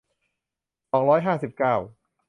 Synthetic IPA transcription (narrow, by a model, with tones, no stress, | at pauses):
sɔː˩˦ŋɾɔː˦˥jɦaː˥˩si˨˩p̚kaː˥˩w